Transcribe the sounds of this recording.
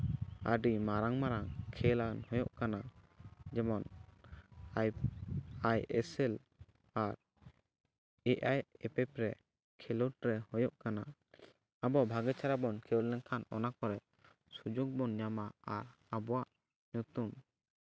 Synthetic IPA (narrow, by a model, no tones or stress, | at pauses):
ə̰ɖimaɾaŋmaɾaŋkʰɛlanhɔjɔʔkana | d͡ʒɛmɔn | j | ajɛsɛl | aɾ | ɛʔajɛpɛpɾɛ | kʰɛlɔʈɾɛhɔjɔʔkana | abɔabʱaɡɛt͡ʃʰaɾabɔnkʰɛlɛŋkʰanɔ̰nakɔɾɛ | sud͡ʒuɡ̚bɔnɲamaaɾ | abɔwaʔ | nut̪um